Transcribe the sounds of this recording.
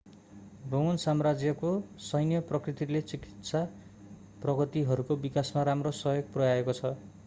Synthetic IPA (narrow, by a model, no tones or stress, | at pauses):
boŋʌnsamrad͡zjʌkosʌjnjʌprʌkrit̪ilet͡sikit̪sa | prʌɡʌt̪iɦʌɾukobikasmaɾamrosʌjoɡ̚prʌjaekot͡sʰʌ